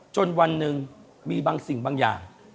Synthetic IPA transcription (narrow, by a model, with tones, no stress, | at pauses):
t͡ɕo˧nwa˧nːɯ˨˧ŋ | miː˧baː˧ŋsi˨˩ŋbaː˧ŋja̰ː˨˩ŋ